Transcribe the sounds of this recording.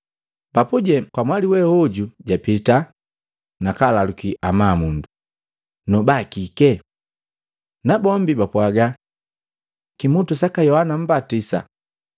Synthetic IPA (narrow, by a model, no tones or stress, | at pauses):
bapuɟɛkwamwaliwɛɔɟuɟapita | nakalalukiʔamaːmundu | nɔbakikɛ | nabɔmbibapwaɡa | kimutusakajɔhanam̩batisa̰